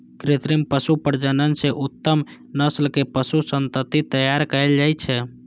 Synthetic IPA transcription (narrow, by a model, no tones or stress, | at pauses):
kɾet̪ɾimpəsupəɾd͡ʒənənseʔut̪ːəm | nəslkepəsusənt̪ət̪ːit̪əjaɾkəeld͡ʒajt͡ʃʰɛ